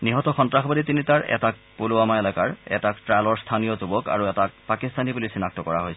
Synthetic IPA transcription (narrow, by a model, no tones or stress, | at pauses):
niɦɔtɔxɔntɹaxbaditinitaɹʔɛ̰tak̚polʊamaelakaɹɛ̰taktɹajlɔɹst̪ʰanijɔzubɔka̰ɹuɛtak̚pakist̪anibulojsinak̚tɔkɔɹaɦojs